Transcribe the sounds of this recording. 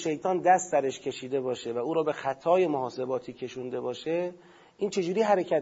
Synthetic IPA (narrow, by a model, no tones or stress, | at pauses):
ʃe̞jt̪ʰɒːnd̪æst̪d̪æɾeʃcʰe̞ʃiːd̪e̞bɒːʃe̞væuːɾɒːbe̞xæt̪ʰɒːje̞mohɒːse̞bɒːt̪ʰiːcʲʰe̞ʃund̪e̞bɒːʃe | ʔiːnt͡ʃʰe̞d͡ʒuːɾiːɦæɾecʰæ